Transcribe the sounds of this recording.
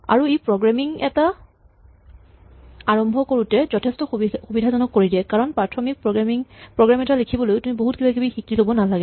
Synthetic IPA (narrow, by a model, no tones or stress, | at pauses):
a̰ɹuipɹɔɡɹamiŋɛta | aɹɔmbʱɔkoɹutɛzɔtʰɛstɔxuxubidʱazɔnɔkːoɹidɛkaɹɔnpatʰɹɔmik̚pɹɔmiŋpɹɔɡɹamɛtalekʰibɔlojtumiboɦut̚kibakibixikilobɔnalaɡɛ